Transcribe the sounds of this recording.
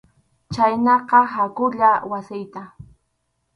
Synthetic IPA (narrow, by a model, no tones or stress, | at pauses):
t͡ʃajnɑqɑɦakʊʎawasɪjt̪a